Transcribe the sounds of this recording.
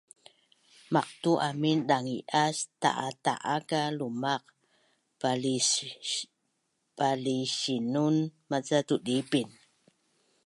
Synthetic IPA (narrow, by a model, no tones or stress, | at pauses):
maq̚tuʔaminɗaŋiʔasta̰ʔata̰ʔakalumaq̚ | paliɕinunmat͡satudipin